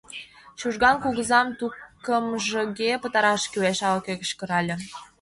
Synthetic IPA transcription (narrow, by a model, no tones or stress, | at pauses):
ɕuʒɣɑnkuɣə̆zɑmt̪ukːə̆mʒə̆ɣepə̆t̪ɑɾɑʃkyweʃɑlɤkekʃkə̆ɾɑlʲɤ̆